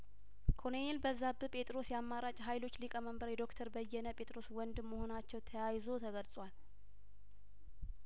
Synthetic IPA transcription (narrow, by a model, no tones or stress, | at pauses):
kʰo̞nenelbəzːabɨpʼe̞t̪ʼɾo̞sjamːaɾat͡ʃʼɦajlo̞t͡ʃːlikʼəməmbəɾjɛd̪o̞kt̪ʰəɾbəjːɛnəpʼe̞t̪ʼɾo̞swɔnd̪ɨmːəho̞nat͡ʃːɛwt̪ʰəjajzo̞t̪ʰəɡəlsʼwal